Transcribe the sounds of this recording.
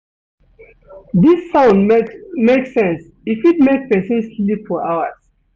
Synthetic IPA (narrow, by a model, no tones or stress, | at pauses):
disːãʊ̃ndmeksɛ̃ns | ifit̚mek̚pɛsə̃nsslipfɔɹaʊəz̥